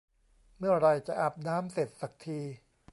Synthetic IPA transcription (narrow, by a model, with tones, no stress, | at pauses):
mɯ˥˩ɐɾa˧jt͡ɕa˨˩ʔa˨˩p̚naː˦˥mse˨˩t̪̚sa˨˩k̚t̪ʰiː˧